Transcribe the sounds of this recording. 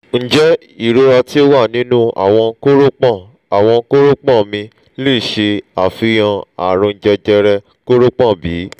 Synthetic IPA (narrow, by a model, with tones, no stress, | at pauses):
n̩˦d͡ʒɛ˦ | i˦˨ɾo˦ɾɔ˧ti˦o˦wa˦˨nĩ˦nũ˦a̰˨w̃ɔ̃˧ko˦ɾo˦k͡pɔ̃˦˨ | a˨w̃ɔ̃˧ko˦ɾo˦k͡pɔ̃˦˨mĩ˧ | le˦˨ʃe˧a˨fi˧j̃ã˧a̰˨ɾ̃õ˧n̩˨d͡ʒɛ˧d͡ʒɛ˧ɾɛ˧ | ko˦ɾo˦k͡pɔ̃˦˨bi˨˦